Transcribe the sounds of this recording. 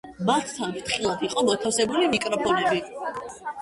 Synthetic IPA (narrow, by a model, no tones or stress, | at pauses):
mat̪ʰt̪ʰːant̪χilˠad̪iqʼɔmɔt̪ʰasɛbulimikʼɾɔpʰɔnɛbi